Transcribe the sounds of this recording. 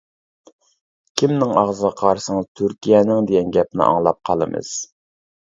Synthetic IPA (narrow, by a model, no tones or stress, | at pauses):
kʲʰimnɪŋɑʁzəʁəqʰɑɾsəŋzt̪ʰyɾkʲʰijɛnɪŋd̪ɪɡʲɛnɡʲɛp̚nɪ̰ʔɑ̰ŋlˠɑp̚qʰɑlˠɨmɨ̰z̥